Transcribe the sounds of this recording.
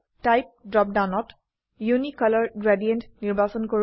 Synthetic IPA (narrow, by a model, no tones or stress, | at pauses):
tajp̚dɹɔp̚dawnɔt | junikʌlɔɹɡɹɛdiɛntniɹbʱasɔnkoɹ